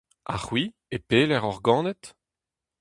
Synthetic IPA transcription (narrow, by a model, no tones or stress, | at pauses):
a̰χwi | epeːlɛʁɔʁɡɑ̃ːnɛt̪